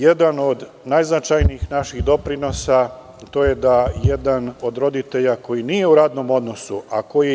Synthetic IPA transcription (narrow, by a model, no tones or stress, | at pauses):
je̞d̪ano̞d̪ | najznat͡ʃajniixnaʃiɣd̪o̞pɾino̞sa | t̪o̞ːje̞d̪ajed̪ano̞d̪ɾo̞d̪it̪e̞ʎako̞jinije̞uɾaːd̪no̞mo̞d̪no̞suʔako̞ji